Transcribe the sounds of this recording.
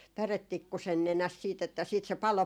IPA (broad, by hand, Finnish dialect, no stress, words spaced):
pæretːikːusen nenæst siːt etːæ siːt se pɑlo